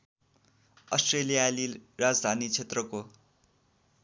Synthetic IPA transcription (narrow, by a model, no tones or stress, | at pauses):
ʌsʈrelijalirad͡zd̪ʱanit͡sʰet̪rʌko